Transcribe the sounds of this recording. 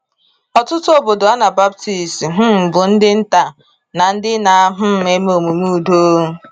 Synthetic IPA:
ɔ˨tʊ˦tʊ˦o˦bo˨do˨a˦na˨ba˦p̚ti˨sɦ̩˦m̩˨bʊ˨n̩˦dɪ˦n̩˦ta˨ | na˨n̩˦dɪ˦na˨a˦ɦʊ˦m̩˦e˦m˦o˨mu˨mu˦˨do˦ɦ

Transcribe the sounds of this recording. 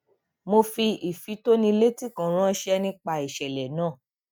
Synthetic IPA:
mo˧fi˧i˨fi˨˦to˦nĩ˧le˦ti˦˨kã˨ɾ̃ã˦ʃɛ˧nĩ˧k͡pa˧i˨ʃɛ˨lɛ˨nãː˦˨

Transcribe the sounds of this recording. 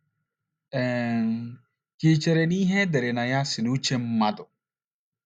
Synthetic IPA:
ɛ̃ː˨ | kiː˨t͡ʃɛ˨ɾe˨niː˦ɦɛ̃˦d̪ɛ˨ɾe˨na˨ja˦si˨nuː˦t͡ʃɛ˦mma˦d̪o˨

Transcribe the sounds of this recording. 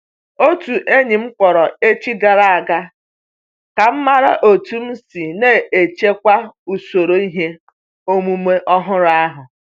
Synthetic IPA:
o˦tu˨ʔe˦ɲi˨m̩˦kʷɔ˨ɾɔ˨e˦t͡ʃi˦ɡa˨ɾa˨a˨ɡa˦ | ka˨m̩˦ma˦ɾa̰˦ʔo˨tu˦m̩˦si˨neː˦e˨t͡ʃe˦kʷa˦u˨so˨ɾo˨i˦ɦe˦ | o˦mu˦me˦ʔɔ˦ɦʊ˦ɾa˦ɦʊ˨

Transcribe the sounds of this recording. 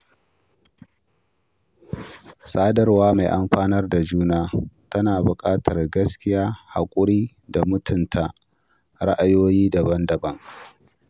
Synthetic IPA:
sʼaː˦dɐ˦rwaː˦maː˨jʔa˨mɸaː˦nɐ˦rda˨d͡ʒuː˦naː˦tɐ˦naː˨bʊ˨kʼaː˦tʰɐ˨rɡɐ˦skʲɪ˦jaː˦ha̰˨kʷʼʊ˦ɽiː˦ | da˨mʊ˦tʰʊ˨ntʰa˨ | ɽa˦ʔa˦joː˦jiː˦da˨bɐ˦ndɐ˨bɐ˦ŋ

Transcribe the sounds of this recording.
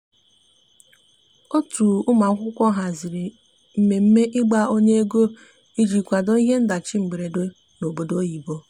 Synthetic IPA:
o˦tu˨ʊ˦ma˨˦kʷʊ˦kʷɔ˦ɦa˨zɪ˨ɾi˨ | m̩˦me˨m̩˦me˦ʔɪ˦ɡ͡ba˦o˦ɲe˦e˦ɡo˦ | i˦d͡ʒi˨kʷa˨dɔ˦i˦ɦe˦n̩˦da˨t͡ʃi˦ŋ͡m̩˨ɡ͡be˨ɾe˨do˦ | no˨bo˨do˦ji˨bo˦

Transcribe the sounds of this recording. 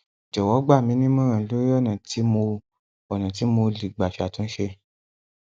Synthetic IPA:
d͡ʒɔ˨wɔ˨˦ɡ͡ba˦˨mĩ˨˦nĩ˦mã˦˨ã˧˨˦lo˦ɔ˦˨nã˨tʰi˨˦mo˧ | ɔ˨nã˨ti˨˦mo˧li˨ɡ͡ba˨fi˨˦a˨tõ˨˦ʃe˧

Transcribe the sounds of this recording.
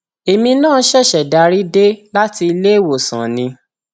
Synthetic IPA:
e˨mĩ˧nãː˦˨˦ʃɛ˦˨ʃɛ˨da˨˧ɾi˦de˦la˦ti˧i˧le˦˨wo˨sã̰˨nĩ˧˦

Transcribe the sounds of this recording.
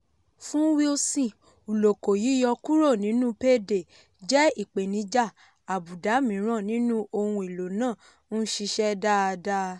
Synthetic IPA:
fũ˦wi˦o˧sĩ˦˨ | u˨lo˨ko˨ji˨˦jɔ˧ku˦ɾo˦˨nĩ˨˦nũ˦pe˦˨de˨ | d͡ʒɛ˦i˦˨k͡pe˨nĩ˨˧d͡ʒa˦˨ | a˨bu˨da˨˦mĩ˨˦ɾ̃ã˦˨nĩ˨˦nũ˦ʔo˧hũ˧i˨lo˨nãː˦˨ | nu˦ʃi˧ʃɛ˦da˦˧da˦˧

